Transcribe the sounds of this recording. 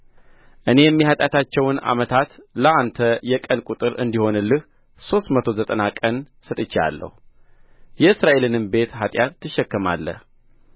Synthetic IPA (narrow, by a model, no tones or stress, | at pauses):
ʔɨne̞jɛmːihat̪ʼjat̪ʰat͡ʃːɛwna̰mət̪ʰat̪ləʔant̪ʰəjɛkʼənkʼut̪ʼɨɾɨ̰nd̪iho̞nɨlːɨh | so̞st̪mət̪ʰo̞zət̪ʼənakʼən | sət̪ʼɨt͡ʃːa̰lːə̰hu | jɛɨsɾaʔe̞lɨnɨmbe̞t̪hat̪ʼjat̪ːɨʃːɛkːəma̰lːə̰h